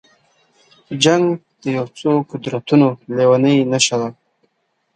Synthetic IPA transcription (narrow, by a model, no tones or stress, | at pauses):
d͡ʒaŋɡd̪̥əjawt͡sokʊd̪ɾat̪unolewanəjnaʃad̪a